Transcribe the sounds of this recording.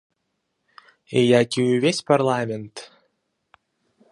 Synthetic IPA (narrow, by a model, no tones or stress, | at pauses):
ejakʲiyvʲesʲparlˠamʲent̪